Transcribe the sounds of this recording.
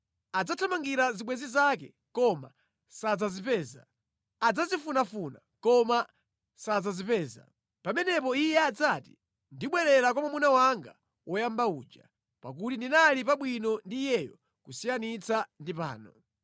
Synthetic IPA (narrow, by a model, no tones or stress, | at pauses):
ad͡zatʰamaŋɡiɾaziɓwɛzizakɛ̰ | kɔma̰ | sad͡zazipɛːza̰ː | d͡zazifunafuna | kɔma | sad͡zazipɛːza̰ | pamɛnɛpɔijɛad͡zati | ndiɓwɛɾɛɾakɔmamunawaŋɡa̰ | wɔjambaṵːd͡ʒa̰ | pa̰k̬utindinalip̬aɓwinɔndijɛjɔ | kusijanit͡sandipa̰ːnɔ